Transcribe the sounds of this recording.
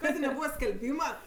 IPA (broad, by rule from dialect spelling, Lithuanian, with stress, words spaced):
ˈkɑːdʲeː nʲɛˈbuːʋɐ sʲkʲɛlʲˈbʲiːmɐ